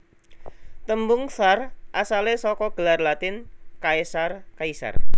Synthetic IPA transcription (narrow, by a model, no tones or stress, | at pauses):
t̪əmbʊŋsarʔasalesɔkɔɡ̥ə̤larlat̪ɪnkaesarkaisa̰r